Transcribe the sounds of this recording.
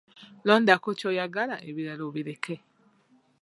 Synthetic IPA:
loːndakocojaɡalaʔeβiɾaloβiɾeke

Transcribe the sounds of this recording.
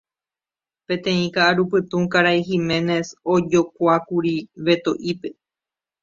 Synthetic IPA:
pẽ̞t̪ẽ̞ĩkaʔːɾupɨt̪ũkaɾajɦimẽ̞ne̞sod͡ʒokʷakuɾiʋe̞t̪o̞ʔipe̞

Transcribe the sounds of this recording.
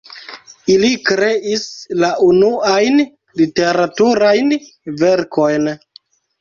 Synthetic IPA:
ilikɾe̞ʔislaʔunuajn | lite̞ɾatuɾajn | ve̞ɾko̞jn

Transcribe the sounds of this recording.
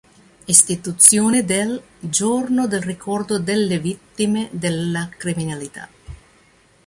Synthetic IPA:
ist̪it̪ut̪sːjoːned̪el | d͡ʒornod̪elrikʰɔrd̪od̪elːevit̪ːimed̪elːakɾiminalit̪a̰

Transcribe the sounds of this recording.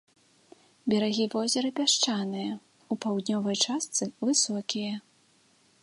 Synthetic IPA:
bʲɛɾaɣʲivɔzʲɐɾɐpʲaʂt͡ʂanɨjɐ | upawd̪nʲɔvɐjt͡ʂast̪sɨvɨsɔkʲijɐ

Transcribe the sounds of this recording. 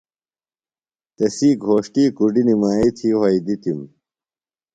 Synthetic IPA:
t̪ɐsiːɡʱoːʂʈiːkuɖinimaːit̪ʰiːwɐid̪it̪im

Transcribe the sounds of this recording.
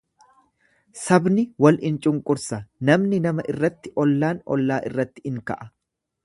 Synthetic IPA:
sɐbnɪwɐlɪnt͡ʃʼʊŋkʼʊɾsɐnɐmnɪnɐmɐʔɪrːɐt̪ːɪʔɔlːaːnɔ̰lːaːʔɪ̰rːɐt̪ːɪ̥ɪŋkɐ̰ʔɐ

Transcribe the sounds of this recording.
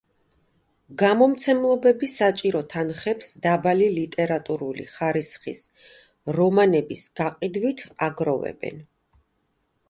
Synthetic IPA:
ɡamɔmt̪sʰɛmlˠɔbɛbisat͡ʃʼiɾɔt̪ʰanχɛpsd̪abalilit̪ʼɛɾat̪ʼuɾulḭχaɾisχḭs | ɾɔmanɛbisɡ̥aqʼid̪wit̪ʰaɡɾɔvɛ̰bɛ̰n

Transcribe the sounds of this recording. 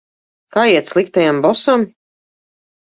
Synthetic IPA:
kaːjiɛt̪slˠikt̪ajambɔsam

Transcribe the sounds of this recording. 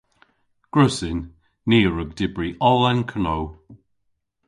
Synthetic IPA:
ɡ̥ɹʊsɪnː | iːɹəɡ̚dɪbɹiʔɔlˠɛnkʰənow

